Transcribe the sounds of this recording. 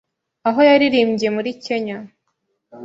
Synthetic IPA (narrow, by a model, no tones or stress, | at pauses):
aɦo̞jaɾiɾiːmɟije̞muɾice̞ɲa